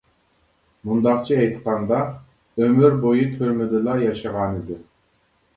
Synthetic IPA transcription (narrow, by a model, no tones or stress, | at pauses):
mund̪ɑqt͡ʃʰiɛjt̪qɑnd̪ɑ | ømyɾbojit̪ʰyɾmɪd̪ɪlˠɑjɑʃɑʁɑnɨd̪ɪ